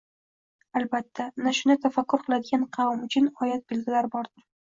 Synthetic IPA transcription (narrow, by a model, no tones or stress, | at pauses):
albat̪ʰːanaʃʊnɪt̪ʰafakʲːʊɾqʰɨlˠad̪ɪɡʲanqʰɑwamʊt͡ʃʰʊnɒjat̪̚bɪlɡʲɪlaɾbɒɾd̪ɪɾ